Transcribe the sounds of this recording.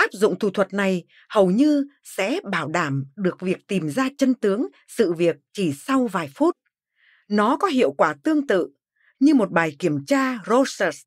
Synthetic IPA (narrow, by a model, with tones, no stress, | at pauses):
ʔaː˦˥p̚zʊ̰˧˨ŋ͡mt̪ʰu˧˩t̪ʰwə˨˩t̚na˨˩j | hə˨˩wɲɨ˧ | sɛ̰˧˥ɓaː˧˩wɗaː˧˩mɗɨ˨˩ək̚vi˨˩ək̚t̪i˨˩mzaː˧t͡ɕə˧nt̪ɨ˨˦əŋ | sɨ̰˧˨vi˨˩ək̚t͡ɕi˧˩sa˧wvaː˨˩jfu˦˥t̚ | nɔ˨˦kɔ˨˦ɦḭ˧˨əwkwaː˧˩t̪ɨ˧əŋt̪ɨ̰˧˨ | ɲɨ˧mo˨˩t̚ɓaː˨˩jki˧˩əmt͡ɕaː˧zo˧sə˦˥s